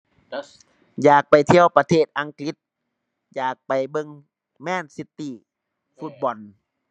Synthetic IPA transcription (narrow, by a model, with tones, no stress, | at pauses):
jaː˨˩k̚pa˨jt̪ʰi˧˨əwpa˧t̪ʰeː˥˩t̪̚ʔa˧˦ŋkli˧˥t̪̚ | jaː˨˩k̚pa˨˩jbɤ˧ŋ | mɛː˧˥˨nsi˧˥t̪ːi˧˨ | fu˧˥t̪̚bɔ˨˩n